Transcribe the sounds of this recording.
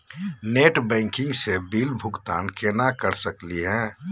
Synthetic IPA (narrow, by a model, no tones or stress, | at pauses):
neːʈbɛ̃ːŋkɪ̃ŋɡsebiːlbʱʊɡt̪aːnkenakəɾsəkliɦɛ̃